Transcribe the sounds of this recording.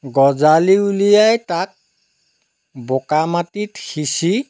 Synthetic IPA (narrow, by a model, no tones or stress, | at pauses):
ɡɔzaliulijajtak̚ | bokamatitxisi